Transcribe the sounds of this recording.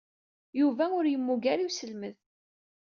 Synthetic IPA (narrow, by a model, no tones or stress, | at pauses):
juvæʊɾjəmːuɡæɾiwsəlməð